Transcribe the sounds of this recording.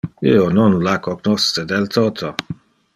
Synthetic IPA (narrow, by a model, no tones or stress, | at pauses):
ionɔnlakʰoɡnɔst͡sed̪elt̪ʰot̪ʰo